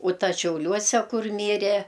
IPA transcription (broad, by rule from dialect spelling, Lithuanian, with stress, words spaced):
ʊ ˈtɐs ʃʲɛʊˈlʲuɔsʲɛ ˈkʊr ˈmʲiːrʲɛ